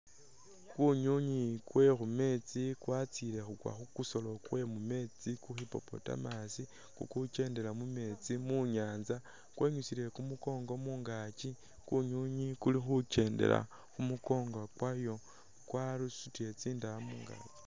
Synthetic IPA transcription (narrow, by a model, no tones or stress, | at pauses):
kuɲuɲikwe̞xume̞t͡sikwat͡siɾe̞xukwa̰xukuso̞lo̞kwe̞mume̞t͡sikuxipo̞̰po̞̰ta̰masi | kṵkut͡ʃe̞ːnde̞lamume̞t͡simuɲaːnza | kwʔe̞ːɲusiɾe̞kumuko̞ːŋɡo̞muːŋɡat͡ʃi | kuɲuɲikulixut͡ʃe̞ːnde̞̰la̰ | xumuko̞ːŋɡakwajo̞ | kwalusutie̞t͡siːndamuŋɡa̰ːt͡ʃi̥